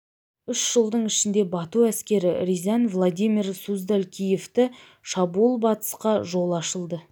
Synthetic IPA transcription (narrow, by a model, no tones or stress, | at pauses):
ʏʃʒ̥əlˠd̪əɴɪʃɪnd̪e̞bɑt̪uæskʲe̞ɾɪɾizɑnvlˠad̪ʲijmʲirsuzd̪alkʲʰije̞ft̪ɪ | ʃɑbuulˠbɑt̪ə̥sqɑʒo̞lˠɑʃəlˠd̪ə